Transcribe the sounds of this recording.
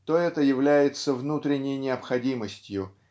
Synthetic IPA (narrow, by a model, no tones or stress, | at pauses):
t̪oɛt̪əjɪvlʲæjɪt̪səvnut̪ɾʲɪnʲːɪjnʲɪɐpxɐdʲiməsʲtʲjʊ